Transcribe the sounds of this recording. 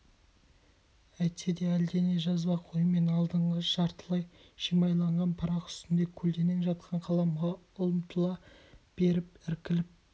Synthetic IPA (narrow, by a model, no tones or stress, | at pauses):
æjt̪sed̪eæld̪e̞ne̞ʒɑzbɑqʰojəme̞nɑlˠd̪əɴʁəʃɑɾt̪əlˠɑjʃijmɑjlˠɑɴʁɑnpʰɑɾɑqʏ̥st̪ɪnd̪e̞kʲʰɵld̪e̞neŋʒɑt̪qʰɑɴqʰɑlˠɑmʁɑ | ʊlˠəmt̪əlˠɑb̥e̞ɾɪpɪɾkʲɪlɪp̚